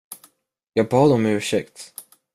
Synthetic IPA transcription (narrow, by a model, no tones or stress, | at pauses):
jɑːɡ̚pʰɑːd̪ɔmɛʉ̟ːʂɛkt̪